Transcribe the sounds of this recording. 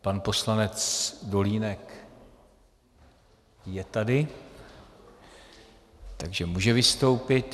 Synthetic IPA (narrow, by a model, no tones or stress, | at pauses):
panpo̞slanɛt͡sdo̞liːnɛk | jɛt̪adɪ | t̪aɡʒɛmuːʒɛvɪst̪o̞wpɪt̪